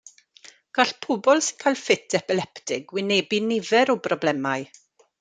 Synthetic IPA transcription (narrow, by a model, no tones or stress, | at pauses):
ɡ̥aɬpʰɔbɔlˠsɪ̥nkʰajlˠfɪtʰɛpɪlɛptʰɪɡwɪnebinɪvɛɾɔbrɔblɛmajɨ